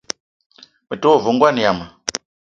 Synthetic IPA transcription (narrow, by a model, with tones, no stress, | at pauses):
mi˨tu˦wɔ˦˨vɔ˨ŋɡwa˦ni˨ja˨ma˨